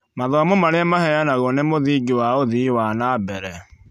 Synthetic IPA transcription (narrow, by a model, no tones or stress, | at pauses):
maðɔamomaɾamahɛjanaɣonemoðiːɡewaoðiwanabɛɾɛ